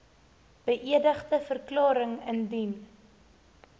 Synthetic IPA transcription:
b̥əʔiədəχtəfərklɑːɾəŋəndin

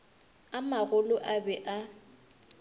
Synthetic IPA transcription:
amaɣʊlʊʔabɛʔa

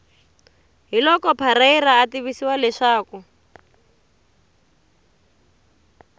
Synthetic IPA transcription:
ɦilɔkɔpʰaɾairaːtiβisiwalɛʂaːku

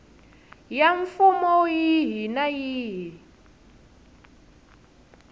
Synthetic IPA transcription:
jaɱfumɔjiɦinajiːɦi

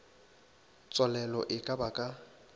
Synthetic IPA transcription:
t͡sʼɔlɛlɔ̰ʔɪkʼabakʼa

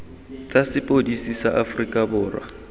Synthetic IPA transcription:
t͡sʼasɪpʼodisisaʔafrikʼabʊːrwa̰

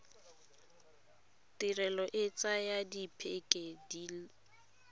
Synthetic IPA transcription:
tirɛlɔʔɪt͡sʼajadipʰekʼediːl

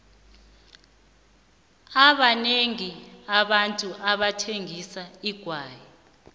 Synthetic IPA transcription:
aɓaneŋiaɓantʼuʔaɓatʰeŋʱisaiɡ̥ʱwaːjɛ

